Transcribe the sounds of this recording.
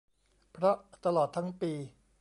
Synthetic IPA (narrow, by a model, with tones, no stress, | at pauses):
pʰɾɔ˦˥t̪a˧lɔː˨˩t̪ʰːa˦˥ŋpiː˧